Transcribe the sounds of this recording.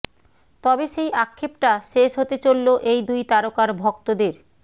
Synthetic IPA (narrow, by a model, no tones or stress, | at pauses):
t̪ɔbeʃejʔakʰːepʈaʃeʃɦot̪et͡ɕolːoʔejd̪ujt̪aɾokaɾbʱɔkt̪od̪eɾ